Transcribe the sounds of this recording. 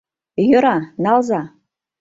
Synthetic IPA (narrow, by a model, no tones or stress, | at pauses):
jɤ̆ɾɑnɑlzɑ